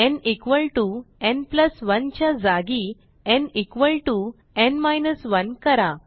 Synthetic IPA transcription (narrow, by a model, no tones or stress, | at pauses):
ɛ̃nikʋəlʈuɛ̃npləsʋənt͡ɕjad͡zaɡi | ɛnikʋəlʈu | ɛnmajnəsʋənkəɾa